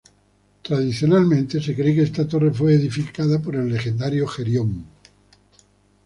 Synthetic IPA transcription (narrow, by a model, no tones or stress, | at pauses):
t̪ɾaðiθjo̞nalmẽ̞nt̪ese̞kɾe̞keest̪at̪o̞refwe̞eðifikaðapo̞ɾe̞lːe̞xend̪aɾjoxeɾjom